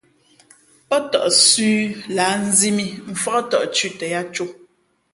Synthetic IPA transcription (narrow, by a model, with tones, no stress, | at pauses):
pɔ˦tɔ̰˨ʔsʉː˦laː˨˦n̩˦zi˦mi˦ɱ̩˨fɔ˦ʔtɔ˨ʔt͡ʃʉ˦tɛ˨ja˦t͡ʃu˦